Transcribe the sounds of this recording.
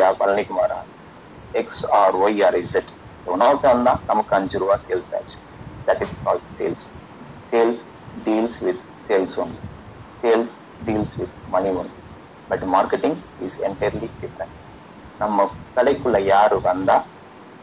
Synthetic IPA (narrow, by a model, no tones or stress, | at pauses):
aʋɐ̰lɐnikumaːɾa̰ː | eksaːɾʋojaːɾizeʈ | dɐnaːwt̪ɐnd̪aːt̪ɐmɐkɐnd͡ʒuɾʋaːseːlsa̰ːt͡ʃu̥ | d̪æʈiskɔːlɖsḛːls | seːls | ɖiːlsʋid̪ | seːlsund̪i | seːls | ɖiːlsʋid̪̚mɐniunɖ̪i | bɐʈmaːɾkeʈĩŋɡ | izɛɳʈɐjɾɐliɖifɾɐɳʈ | nɐmːɐkɐɽekulɐjaːɾuʋɐnd̪a